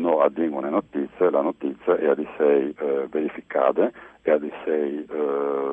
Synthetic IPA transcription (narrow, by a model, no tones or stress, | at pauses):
noad̪ːiŋɡonenot̪it̪sːjelanot̪it̪sːjeʔɛad̪isɛjveɾifika̰ːd̪eead̪isɛj